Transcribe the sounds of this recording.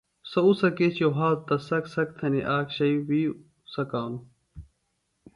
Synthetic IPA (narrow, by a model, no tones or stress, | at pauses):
sɐusɐkeːt͡ɕjoɦaːlt̪ɐsɐksɐk̚t̪ʰɐneʔaːkɕɐiwiː | sɐkaːnu